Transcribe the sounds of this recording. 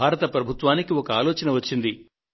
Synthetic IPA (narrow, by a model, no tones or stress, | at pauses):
aːɾɐt̪ɐpɾɐbʱut̪ʋaːnikiɔkɐaːloːt͡ʃɐnɐʋɐt͡ʃːind̪i